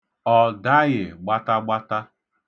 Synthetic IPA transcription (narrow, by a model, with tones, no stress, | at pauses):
ɔ˨da˦ɣɪ˨ɡ͡ba˦ta˦ɡ͡ba˦ta˦